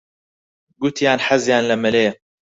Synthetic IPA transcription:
ɡut̪ʰjaːnħazjaːnlɐmɨleː

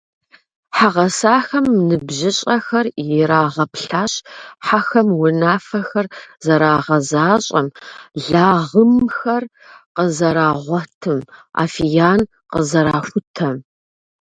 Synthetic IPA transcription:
ħaʁɐsaːxɐmnɨbʑɪɕʼɐxɐrjɪɾaːʁɐpɬaːɕʼħaxɐmwʊnaːfɐxɐrzɐɾaːʁɐzaːɕʼɐ̰mɮaːʁəmxɐr | qəzɐɾaːʁʷɔtʰɨma̰ːfijaːn | qə̰zɐɾaːxʷʊtʰɐm

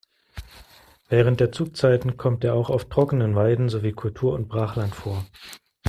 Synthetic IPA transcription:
vɛːʁ̞əntd̥eːɐt͡suːk̚t͡saɪtn̩kʰɔmt̚deːɐaʊxaʊftʁ̥ɔkənənvaɪdn̩zoviːkʰʊltʰuːɐʊnt̚b̥ʁaːχlantfoːɐ

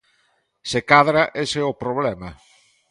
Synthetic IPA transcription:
sekaðɾaʔeseopɾoβlɛmɐ

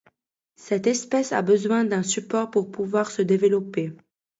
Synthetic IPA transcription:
sɛt̪ɛspɛsa̰bəzwɛ̃d̪ɛ̃sypɔʁpuʁpuvwaʁsəd̪evəlɔpe

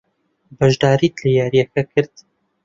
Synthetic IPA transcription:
bɐʒd̪aːɾiːt̪ʰlejaːɾijɛkʰɐkʰɨɾd̪

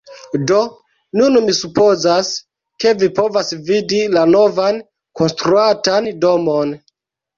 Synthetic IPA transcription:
do̞ | nunmisupo̞zas | ke̞vipo̞vasvidilano̞van | ko̞nstɾuatandomon

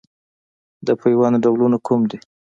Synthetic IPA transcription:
d̪əpajwɑnɖaɡlunakʰumd̪i

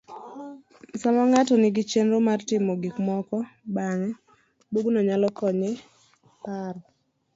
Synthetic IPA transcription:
samaŋatɔnɪɡɪt͡ʃenɾomartɪmɔɡɪkmɔkɔbaŋɛ | buɡnɔɲalɔkɔɲɪ | par

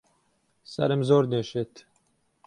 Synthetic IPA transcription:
sɐ̰ɾɨmzoːɾneːʃet̪

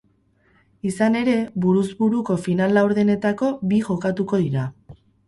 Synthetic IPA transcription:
isane̞ɾe̞βuɾuzβuɾuko̞finalawɾðene̞t̪ako̞biʝo̞kat̪uko̞ðiɾa

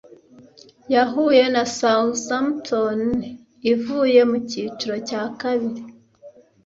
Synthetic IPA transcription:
jaɦuːje̞nasalsamtʰon | ivuːje̞muciːt͡ʃuɾo̞caːkaβiɾi

